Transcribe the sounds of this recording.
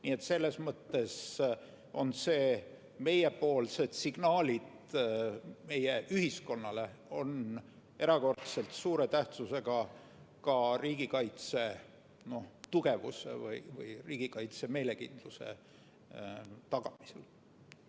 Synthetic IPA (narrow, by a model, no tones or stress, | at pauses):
nie̞t̪se̞lːe̞smɤt̪ːe̞s | ʔo̞nse̞ː | me̞jepo̞ːlse̞d̪̥siɡ̥nɑːlʲit̪ | me̞jeʔyhisko̞nːɑle̞o̞n | ʔe̞ɾɑko̞rt̪se̞lt̪suːɾe̞t̪æht̪suse̞ɡ̥ɑ | kɑriːɡ̥ikɑjt̪se̞ | no̞ht̪uɡ̥e̞vṵsḛvɯ̰jvɯ̰jriːɡ̥ikɑjt̪se̞me̞ːle̞kind̪̥luse̞̰ | t̪ɑɡ̥ɑmisel